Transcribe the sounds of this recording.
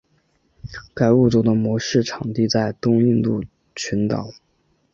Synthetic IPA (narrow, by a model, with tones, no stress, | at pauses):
ka˨˩ɪu˥˩t͡so˧˥ʊd̪ə˧mwɔ˧˥ʂɻ̩˥˩ʈ͡ʂʰɑ˨˩ŋt̪i˥˧t͡sa˥˩ɪt̪ʊ˥ŋi˥˧nt̪u˥˩ | t͡ɕʰy˧˥nt̪ɑ̰˨˩˦